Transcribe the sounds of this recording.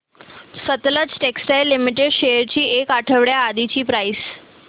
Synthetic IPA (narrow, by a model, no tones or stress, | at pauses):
sət̪lət͡sʈeksʈajlːimiʈ̬eɖɕejəɾt͡ɕiːʔekaʈʰəʋɽjaːd̪it͡ɕiːpɾais